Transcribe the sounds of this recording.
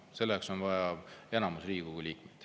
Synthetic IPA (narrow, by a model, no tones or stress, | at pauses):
se̞lːekso̞nvɑjɑe̞nɑmusriːɡ̥uɡulʲiːkmed̪̥